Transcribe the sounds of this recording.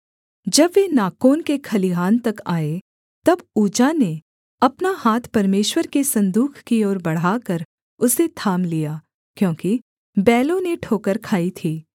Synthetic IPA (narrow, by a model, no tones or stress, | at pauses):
d͡ʒɐbʋenaːkoːnkekʰɐliɦaːnt̪ɐkaːe | t̪ɐbuːd͡ʒane | ɐpnahaːt̪ʰpɐɾmeːʃwəɾkesɐ̃nd̪uːkʰkiɔːɾbɐɽ̤aːkɐɾ | ʊset̪ʰaːmlijaː | kjõːki | bɛːlõneʈʰoːkəɾkʰaːit̪ʰiː